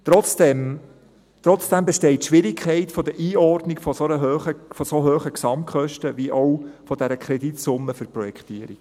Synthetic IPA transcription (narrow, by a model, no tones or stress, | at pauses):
t̪ɾɔt͡sd̥ɛm | t̪ɾɔt͡sd̥æmbɛʃtɛɪtːʃʋɪɾɪkʰχɛɪtfɔd̪əɾʔiːɔrdnɪɡfɔsoɾəɦøːχəfɔsoɦøːχəksɑmkχœʃtəʋiʔɔwfɔd̥æɾəkʰɾɛdit̪sʊmːəfʏɾpɾɔjɛkχt̪iəɾik